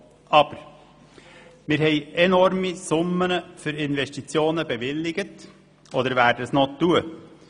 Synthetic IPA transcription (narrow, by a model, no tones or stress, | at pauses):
ɑb̥əɾ | mɪːɾhɛɪɛnɔɾmisʊmːənəfʏɾɪnvɛʃtit͡sjoːnəbɛʋɪlːɪɡət | ʔod̪əɾvæːɾdəəsnotːuə